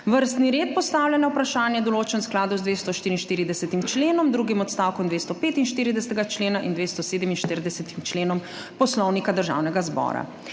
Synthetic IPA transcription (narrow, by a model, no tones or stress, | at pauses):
ʋəɾst̪niɾeːt̪̚pɔst̪aːwljanawpɾaʃaːnjɛd̪ɔloːt͡ʃɛnsklaːd̪uwzd̪ʋeːst̪ɔʃt̪iɾinʃt̪iːɾid̪ɛsɛt̪imt͡ʃleːnɔmd̪ɾuɡimɔt̪st̪awkɔmd̪ʋeːst̪ɔpeːt̪inʃt̪iːɾid̪ɛsɛt̪ɛɡat͡ʃleːnaʔind̪ʋest̪ɔseːd̪əminʃt̪iɾid̪ɛsɛt̪imt͡ʃleːnɔm | pɔslɔwnikad̪əɾʒa̰ːwnɛɡazbɔ̰ːɾa̰